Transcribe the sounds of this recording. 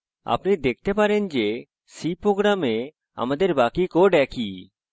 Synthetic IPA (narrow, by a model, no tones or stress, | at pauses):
a̰pnid̪ek̚ʰt̪epaɾend͡ʒe | sipɾoɡɾame | a̰mad̪eɾbakikoɖɛki